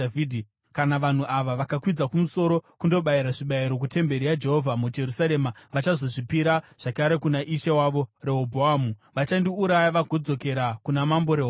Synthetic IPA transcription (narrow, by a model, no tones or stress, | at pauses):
idʱi | kanaʋan̤uʔaʋaʋakakwid͡zakumuso̞ɾo̞kundo̞ɓaiɾaʐiɓaiɾo̞k̬ute̞mbe̞ɾijad͡ʒe̞ɦovʱamud͡ʒe̞rusaɾe̞ːmaʋat͡ʃazo̞ʐipiɾaʐ̥akaɾe̞kunaʔiʃewaʋo̞re̞ɦobʱoamuʋat͡ʃandiuɾajaʋaɡʱo̞d͡zo̞ke̞ɾakunamambo̞ɾeɦ